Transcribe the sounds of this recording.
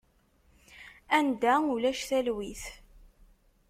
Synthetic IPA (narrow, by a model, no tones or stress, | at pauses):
ænd̪æulæʃθælwiθ